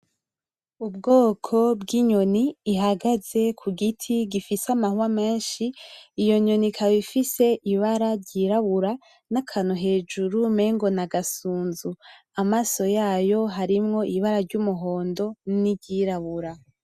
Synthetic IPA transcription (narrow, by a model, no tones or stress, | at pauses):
ubɡoːkʰo̞bɡiɲo̞niːɦaɡaze̞kʰuɡitʰiɡifisamahuwame̞ːnʃiːjo̞ɲo̞nikʰaβifise̞ʔiβaɾaɾɟiɾaβuɾa | nakʰanuɦe̞ːd͡ʒuɾume̞ːŋɡo̞naɡasuːnzu | amaso̞jaːjo̞ɦaɾimŋo̞ʔiβaɾaɾɟumuɦo̞ːndo̞niɟiɾaβuɾa